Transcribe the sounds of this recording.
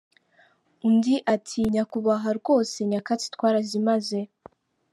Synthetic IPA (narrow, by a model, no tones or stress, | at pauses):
undiʔatʰiɲakuβaɦaɾɡo̞ːse̞ɲakat͡si̥twaːɾazimaze̞